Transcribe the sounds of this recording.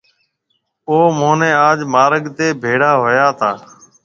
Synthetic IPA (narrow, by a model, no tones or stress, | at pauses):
oːmoːnẽːaːd͡ʒmaːɾəɠt̪eːbʱeːɽaːɦojaːt̪ʰaː